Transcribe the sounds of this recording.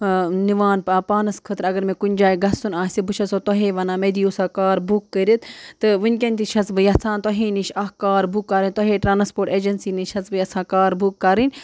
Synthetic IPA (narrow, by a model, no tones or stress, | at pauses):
niʋaːnpaːpaːnɐskʰəːt̪ɾɐɡɐɾmẽkunʲd͡ʒaːiɡɐsunaːsibuʃʰɐsot̪oɦeːʋɐnãːmeːd̪ijusaːkaːɾbukːəɾit̪t̪ɨʋɨnʲkʲɐnʲt̪iʃʰɐsbɨjɐsʰãːnt̪oɦĩːniʃɐɦkaːɾbukːaɾinʲt̪oɦeːʈɾaːnspoːɾʈeːd͡ʒɐnsiːniʃʰɐsbɨjɐsʰãːkaːɾbʱukːɐɾinʲ